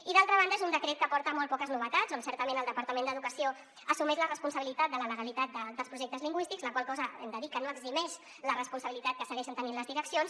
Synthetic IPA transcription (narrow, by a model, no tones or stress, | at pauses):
iðalˠt̪ɾəβ̞anəezund̪əkɾet̪kəpɔɾt̪əmɔl̚ˠpɔkəznuβət̪ad͡zonsɛɾt̪əmẽnəlˠd̪əpəɾt̪əmẽnd̪əðukəsio | əsumɛʒlərəspunsəβilit̪at̪d̪ələləɣəlit̪at̪̚d̪əd̪əlˠspɾuʒɛk̚t̪əzliŋɡwist̪iɡzləkwalˠkɔzəɛ̰md̪əðikːənoəɡzimɛʃ | lərəspunsəβilit̪at̪̚kəsəɣɛʃənt̪əninləzðiɾəksions